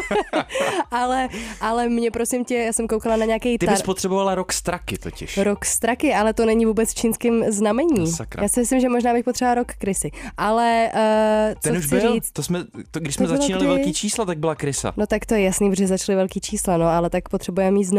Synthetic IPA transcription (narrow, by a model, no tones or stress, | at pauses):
ʔalɛʔalɛmɲɛpɾo̞sɪmcɛjaːsɛmkowkalanaɲɛakɛjt̪ɪaspot̪r̥ɛbovalaɾokst̪ɾakɪt̪ocɪ̰ʃɾokst̪ɾakɪʔalɛt̪onɛɲɪvuːbɛt͡sft͡ʃiːnskɪmznamɛɲiːsakɾa̰jaːsɪmɪslɪmʒɛmoʒnaːbɪxpo̞t̪r̥ɛbovaɾokːɾɪsɪʔalɛ | t͡sɛonuxʒt͡sɪɾiːt͡s̪t̪osmɛt̪oɡdɪʃsmɛzaɪlt͡ʃaiːnalɪvɛlkiːt͡ʃiːslat̪aɡ̚bɪlakɾɪsa̰no̞t̪akt̪ojɛjasniːpoʒɛzat͡ʃlɪvɛlkiːt͡ʃiːslanoalɛt̪akpot̪r̥ɛbujɛmɛmiːt̪zn